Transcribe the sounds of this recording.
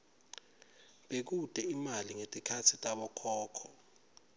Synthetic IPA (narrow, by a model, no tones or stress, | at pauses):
ɓek̬ud̥ʼʱɛimaliŋetʼikʰatʰitʼaɓɔkʰɔːkʰɔ